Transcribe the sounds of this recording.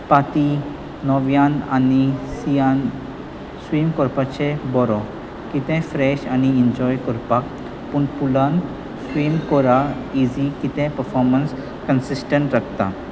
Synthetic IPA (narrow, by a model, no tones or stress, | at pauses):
pat̪i | nɔʋjãnanisijan | swimkɔɾpat͡ɕebɔɾɔ | kit̪ɛ̃fɾɛɕaniiɲd͡ʑɔjkɔɾpak | puɳpulãn | swimkɔɾaizikit̪ɛ̃pəɾfɔɾməns | kənsisʈəɳʈɾakʰt̪a̰